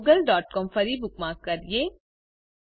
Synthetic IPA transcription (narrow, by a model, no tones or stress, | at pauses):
ɡəlɖɔːʈ̚kɔːmfɐɾibʊk̚mãːkːɐɾijeː